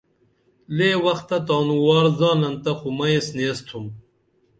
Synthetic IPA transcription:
leːwɐxt̪ɐt̪ɑːnuwɑːɾzɑːnɐnt̪ɐxumɐesnest̪ʰum

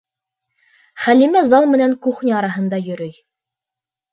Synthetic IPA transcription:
χælimæzɑlˠmɘ̆næŋkuχnʲiɑɾɑɦɤ̆nd̪ɑjɵ̆ɾɵj

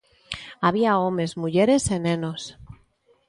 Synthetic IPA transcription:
aβiaome̞zmuʝeɾesenẽnos

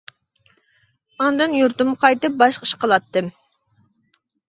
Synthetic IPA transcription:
ɑnd̪ɨnjuɾt̪umqʰɑjt̪ɨp̚bɑʃqə̥ʃqʰəlˠɑt̪ːɨm

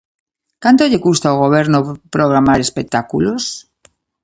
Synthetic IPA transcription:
kant̪oʎekust̪aoɣ̞oβ̞eɾnopɾoɣ̞ɾamaɾespek̚t̪akulos

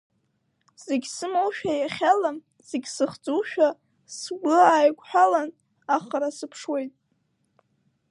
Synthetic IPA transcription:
z̥eɡʲsɨmowʃᶣajaχʲalam | z̥eɡʲsɨχt͡sʼuʃᶣa | sɡʷʊaːjkʷʰʼħʷᶣalan | aχaɾasɨpʰʂwe̞jtʼ

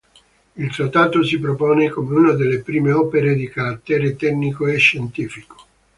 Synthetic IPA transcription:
ilt̪ɾat̪ːaːt̪osipɾopɔːnekomeuːnad̪elːepɾiːmeɔːpeɾed̪ikaɾat̪ːɛːɾet̪ɛknikoeʃːent̪iːfiko̥

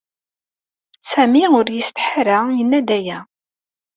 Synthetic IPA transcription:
sæmiʊɾjəst̪ħaɾajənːæd̪æjæ

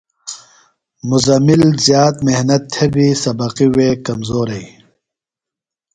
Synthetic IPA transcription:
muzɐmilzjaːt̪mehnɐt̪ʰːebisɐbɐqiwekɐmzoːɾɐj

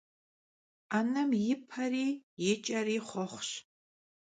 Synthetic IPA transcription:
anɐmjɪpʰɐriːjɪt͡ʃʼɐɾiːχʷɔχʷɕ

